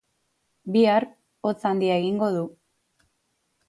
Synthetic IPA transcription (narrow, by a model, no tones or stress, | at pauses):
biaɾ | o̞t͡sand̪iae̞ɣiŋɡo̞ð̞u